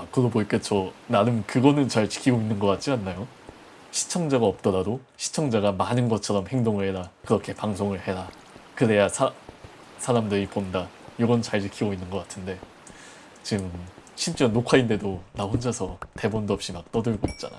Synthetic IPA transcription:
akɯdoboik͈et͡ɕʌnanɯnkɯɡʌnɯnt͡ɕaɭt͡ɕi̥kʰiɡoinːɯnɡʌk͈at̚t͡ɕ͈ianːajo | ɕʰi̥t͡ɕʰʌŋd͡ʑaɡaʌp̚t͈ʌɾadoɕʰi̥t͡ɕʰʌŋd͡ʑaɡamanɯnɡʌt͡ɕʰʌɾʌmhe̞ŋdoŋɯɭhe̞ɾakɯɾʌkʰe̞paŋsʰoŋɯɭhe̞ɾa | kɯɾe̞jasʰa | sʰaɾamdɯɾiponda | joɡʌnt͡ɕaɭt͡ɕikʰiɡoinːɯnɡʌk͈ḁtʰɯnde̞ | t͡ɕiɡɯmɕʰimt͡ɕ͈enokʰainde̞donahond͡ʑasʰʌte̞bʌndoʌp̚ɕ͈imak̚t͈ʌdɯɭɡoḭp̚t͡ɕ͈a̰na̰

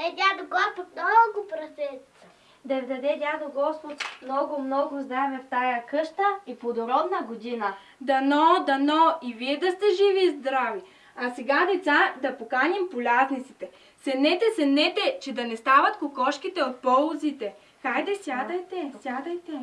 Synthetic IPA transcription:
ad̪ʲad̪oɡɔspot̪̚mnɔɡʊpɾɐsʲɛ | d̪ɐvd̪ɐd̪ɛdʲad̪oɡɔspot̪mnɔɡʊmnɔɡʊzd̪ɾavɛft̪ajɐkɤʃt̪əipod̪oɾɔbnəɡod̪inə | d̪ɐnɔd̪ɐnɔiviɛd̪ɐst̪ɛʒivizd̪ɾavi | ɐsɛɡad̪ɛt̪sad̪ɐpokanimpolʲaznit̪sit̪ɛ | sɛmnɛt̪ɛsɛmnɛt̪ɛt͡ʃɛd̪ɐnɛst̪avɐt̪kʊkɔʃkit̪ɛot̪̚pɔlˠzit̪ɛ | xajd̪ɛsʲjad̪ɐjt̪ɛsʲjad̪ɐjt̪ɛ

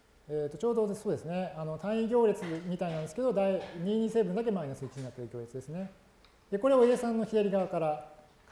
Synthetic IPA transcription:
eːt̪ːo̞t͡ɕo̞ːd̪o̞so̞ːd̪e̞sɨne̞ano̞t̪ʰãĩɡʲo̞ːɾʲet͡sɨmʲit̪ainãnd̪esɨ̥ke̞d̪o̞d̪aiɲiːɲ̟ĩse̞ːbɯ̟nd̪ak̬e̞mainasɨit͡ɕiɲĩnat̪ːeɾɯ̟ɡʲo̞ːɾʲet͡sɨd̪e̞sɨne̞ | d̪eko̞ɾe̞oe̞ːsãnːo̞çiaɾʲiɡaβakaɾa

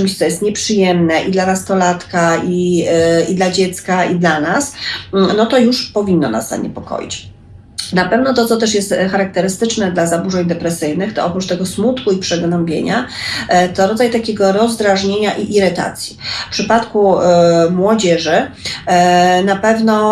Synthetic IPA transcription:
t͡ʂɘmɕt̪sɔjɛst̪̚ɲɛpʂɘjɛmnɛʔid̪lanast̪ɔlat̪kai | id̪lad͡ʑɛt̪skaid̪lanasnɔt̪ɔjuʂpɔvʲinːɔna̰sza̰ɲɛ̰pɔkɔ̰jḭt͡ɕ | napɛvnɔt̪ɔt̪sɔt̪ɛʂjɛst̪xaɾak̚t̪ɛɾɘst̪ɘt͡ʂnɛd̪lazabuʐɛɲd̪ɛpɾɛsɘjnɘxt̪ɔɔpɾut͡ʂt̪ɛɡɔsmut̪kuipʂɛɡnɔmbʲjḛɲa | t̪ɔɾɔd̪zajt̪akʲeɡɔɾɔzd̪ɾaʐɲeɲaʔiʔiɾɛt̪a̰t̪sʲjifpʂɘpat̪kumwɔd͡ʑɛʐɘ | napɛvnɔ

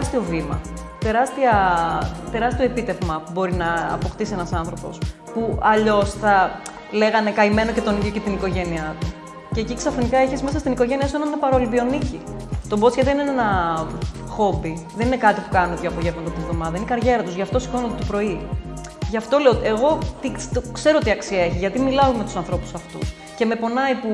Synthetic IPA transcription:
st̪iovimɐ̰t̪e̞ɾɐst̪iɐ | t̪e̞ɾɐst̪io̞epit̪e̞vmɐpubo̞ɾinɐ̰ːpo̞xt̪isienɐsɐnθɾo̞po̞̰s | puɐʎo̞sθɐ | leɣɐne̞kɐime̞no̞ce̞t̪o̞niðʝo̞ce̞t̪iniko̞ʝe̞niɐt̪u | ce̞ːciksɐfɾinikɐeçizme̞sɐst̪iniko̞ʝe̞niɐsuenɐnnɐpɐɾɐolibio̞nicḭt̪o̞bot͡sçɐðeinenenɐ | xo̞biðe̞nine̞kɐt̪ipu̥kɐnunop̪joɐpoʝevmɐt̪ɐt̪invðo̞mɐðɐinekɐɾʝe̞ɾɐt̪uzʝɐft̪o̞si̥konot̪et̪opɾo̞i | ʝɐft̪o̞leot̪eɣo̞t̪it̪okse̞ɾot̪iɐksiɐe̞çiʝɐt̪imilɐomet̪u̥sɐnθɾo̞pu̥sɐft̪ṵs | ce̞me̞po̞nɐipu

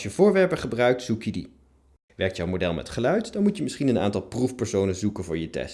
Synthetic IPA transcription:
jəv̥ʊːɹʋɛɹpəχəbrœɥk̚tsukjədḭ | ʋɛɹktjawmodɛlˠmɛ̰tχəlœɥtdɑnmutjəmɪsχinəna̰ːntɑlˠprufpɛɹsownənzukənvʊːɹjətɛ̰st

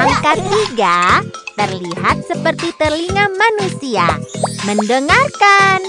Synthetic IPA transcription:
aŋkat̪̚tiɡat̪ərliɦat̪̚səpərt̪it̪ərliŋamanusia̰məndəŋarkan

